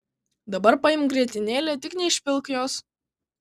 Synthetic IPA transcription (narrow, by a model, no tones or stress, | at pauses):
d̪ɐbɐɾpɐɪmɡɾʲiɛt̪ʲɪnʲeːlʲɛːt̪ʲɪknʲɛɪʃʲpʲɪlˠkjoːs